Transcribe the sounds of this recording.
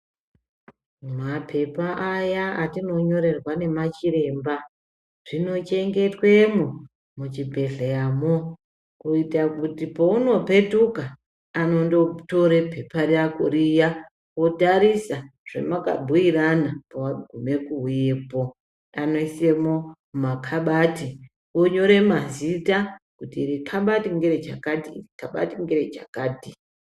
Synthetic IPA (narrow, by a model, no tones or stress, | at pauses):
mapʰe̞paʔajaatino̞ɲo̞ɾe̞rwane̞mat͡ʃiɾe̞ːmba | ʐ̥ino̞t͡ʃe̞ŋɡe̞twe̞mu | mut͡ʃibʱe̞ɮejamo | kuitakutipouno̞pe̞tukaː | no̞ndo̞to̞ɾepe̞pariakoɾija | wo̞taɾisaʐ̥ḛmaka̰bʱuiɾanapawaɡʱume̞kuujepo | ano̞ise̞mo̞ | makʰaɓati | woɲo̞ɾe̞mazitakutiːɾikʰaɓatiŋɡeɾet͡ʃa̰katiikaɓa̰tiŋɡeɾet͡ʃakaːti